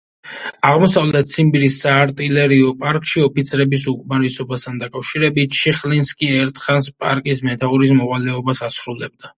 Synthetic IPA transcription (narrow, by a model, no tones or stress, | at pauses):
aʁmɔsavlɛt̪̚ʰsʰimbiɾisːaːɾt̪ʼilɛɾiɔpʼaɾkʼʃiɔpit̪sʰɾɛbisukʼmaɾisɔbast̪ʰand̪akʼafʃiɾɛbit̪̚ʃʰiχlinskʼiɛɾt̪ʰχanspʼa̰ɾkʼismɛt̪ʰauɾismɔvalɛɔbasasɾulɛb̚d̪a